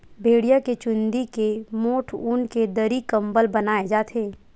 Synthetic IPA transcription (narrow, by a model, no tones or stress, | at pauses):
bʱeːɽijaket͡ʃʊ̃nd̪ikemoːʈʰuːnked̪əɾikɐ̃mbəlbɐnaːed͡ʒaːt̪ʰeː